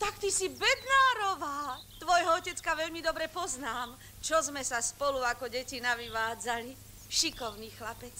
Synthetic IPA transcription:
t̪akt̪isibɛd̪naːɾɔʋaː | t̪ʋɔjɦɔɔcɛt͡skaʋɛʎmid̪ɔbɾɛpɔznaːm | t͡ʃɔzmɛsaspɔluakɔɟɛcinaʋiʋaːd͡zali | ʃikɔʊniːxlapɛt͡s

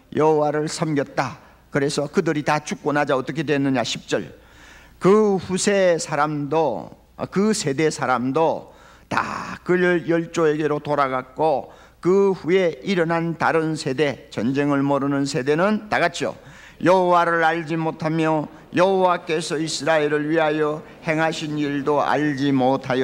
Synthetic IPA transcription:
jʔʌɦowaɾɯɭsʰʌmɡjʌt̚t͈a | kɯɾe̞sʰʌkɯdɯɾitat͡ɕʰuk̚k͈onad͡ʑaʌt͈ʌkʰe̞dwenːɯɲaɕʰip̚t͡ɕ͈ʌɭ | kɯɸusʰe̞sʰaɾamdo | kɯsʰe̞de̞sʰaɾamdo | ta̰kɯjʌɭt͡ɕ͈oe̞ɡe̞ɾotoɾaɡak̚k͈o | kɯɸuje̞iɾʌnɦantaɾɯnsʰe̞de̞t͡ɕʌnd͡ʑe̞ŋɯɭmʌɾɯnɯnsʰe̞de̞nɯntaɡat͡ɕʰo̰ | jʌɦowaɾɯɾaʎd͡ʑimotʰamjʌ | jʌɦowak͈e̞sʰʌisʰɯɾaeɾɯɭɥiɦajʌ | he̞ŋɦaɕʰiniɭdoa̰ʎd͡ʑimotʰajo

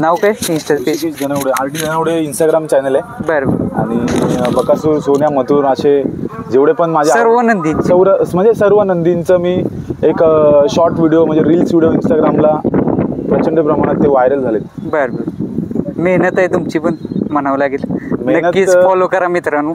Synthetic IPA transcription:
nawkajinsʈəpeid͡zəɽ̃eʋɽea̰ʈid͡zəñəʋɽeinsʈaɡɾamt͡ɕanəlebəɾbəɾa̰ɽ̃ibəkːasuːɾsoɳjamət̪ʰuːɾəɕed͡ʑeʋɽepəɳmad͡ʑʱjasəɾʋənənd̪int͡səʋɾəm̤əɳd͡zesəɾʋənənd̪int͡səmiː | ekɕɔɾʈʋiɽijom̤əɳd͡zeɾiːlsʋiɽijoinsʈaɡɾamla | pɾət͡ɕəɳɖəpɾəmaɽ̃at̪ːeʋajɾəld͡zʱalet̪bəɾbəɾmeɦnət̪ajt̪umt͡ɕiːpəɳmənaʋlaɡelmenənətkifɔlokəɾamit̪ɾənu

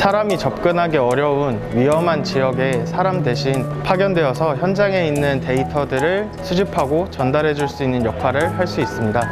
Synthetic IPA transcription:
sʰaɾamit͡ɕʌp̚k͈ɯnɦaɡe̞ʌɾjʌun | ɥiʌmɦant͡ɕijʌɡe̞sʰaɾamde̞ɕʰinpʰaɡjʌndwe̞ʌsʰʌçjʌnd͡ʑaŋe̞inːɯnte̞itʰʌdɯɾɯɭ | sʰud͡ʑipʰaɡot͡ɕʌndaɾɦe̞d͡ʑuɭs͈uinːɯnjʌkʰaɾɯɭhaɭs͈uis͈ɯmɲida

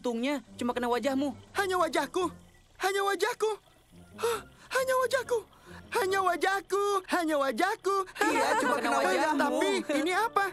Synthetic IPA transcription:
t̪uŋɲat͡ʃumakənawad͡ʒahmuhaɲawad͡ʒahku | haɲawad͡ʒahku | ɔhhaɲawad͡ʒahku | haɲawad͡ʒahkuhaɲawad͡ʒahkuhaɲaumakaaaaat̪apiiniapa

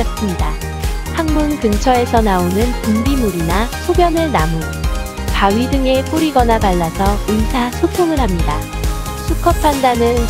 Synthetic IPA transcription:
ʌs͈ɯmɲida | haŋmunkɯnt͡ɕʰʌe̞sʰʌnaonɯnpumbimuɾinasʰobjʌnɯɭnamo | kaɥidɯŋe̞p͈uɾiɡʌnapaɭːasʰʌinsʰasʰotʰoŋɯɭɦhamɲida | sʰukʰʌpʰandanɯn

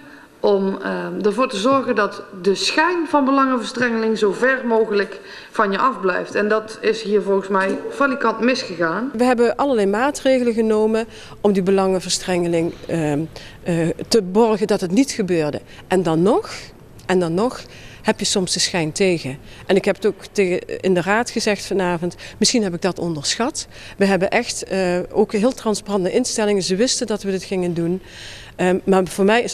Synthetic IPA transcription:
ʔɔmdəɹvoːɹtəzɔɹɣəndɑtdəsxɛjnvɑnbəlɑŋəvəɹstrɛŋəlɪŋzowvɛɹmowχələk | fɑnjəʔɑvblɛ̰jftɛndɑtɪsɦiːɹvɔlˠɣəsmɛjfalikɑntmɪsχəɣaːnʋəɦɛbəʔɑləɹlɛjmaːtrejɣələɣənowmən | ʔɔmdibəlɑŋəvəɹstrɛŋəlɪŋ | təbɔrɣədɑtɦətnitxəbøːɹdə̰ | ʔɛndɑnːɔx | ʔɛndɑnːɔx | hɛpjəsɔmsdəsxɛjntejɣə | ʔɛnɪkɦɛpətokteəɪndəraːtxəzɛxtfɑnaːvɔntmɪsxinɦɛpɪɡ̚dɑtɔ̰ndəɹsxɑt | ʋəɦɛbənʔɛxto̰wkɦɪːlˠtrɑnsparɑndəʔɪnstɛlɪŋənzəʋɪstəndɑtʋədɪtxɪŋəndun | maːvʊːɹmɛjɪs

